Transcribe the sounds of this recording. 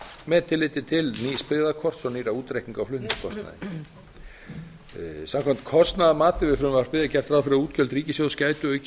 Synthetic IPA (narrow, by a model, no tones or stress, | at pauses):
mɛðt̪ʰɪlːɪːt̪ɪt̪ʰɪlnispɪðakʰɔr̥t̪sɔniːɾauːt̪ɾehk̪iŋkawflʏnɪ̥kʰɔst̪na̰ðɪ̰ | samkʰamt̪kʰɔst̪naðamaːt̪ɪvɪfɾʏmvar̥pɪðɪcɛr̥t̪ɾaːðfɪɾauːt̪cœlt̪ɾiːcɪsjowðscaːjt̪ʏœːɥc